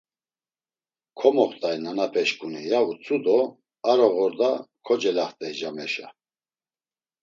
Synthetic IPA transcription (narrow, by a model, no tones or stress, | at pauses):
kʰɔmɔχt̪ʼajnanapʰɛʃkʼunḭjaut͡sʼud̪ɔ | aɾɔɣɔɾd̪akʰɔd͡ʒɛlaχt̪ʼɛjʒamɛʃa̰